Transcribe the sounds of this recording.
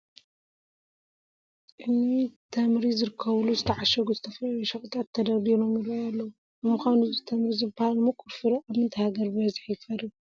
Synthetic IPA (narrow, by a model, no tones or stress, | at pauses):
ʔɨnːit̪ʰɐmɾizɨɾɨkʰːɐβluzɨt̪ʰɐʕaʃɐɡuzɨt̪ʰɐflɐjoʃɐxʼut̪ʰʼat̪ʰːɐd̪ɐɾd̪ilo̞mjɪdɾajalːɐwu | bɨmuxʷanuzɨt̪ʰɐmɾizɨbahalmɨkʰuɾfɨɾɐʔaβmɨnt̪ʰɐhaɡɐɾbɐzɨħjfɐɾi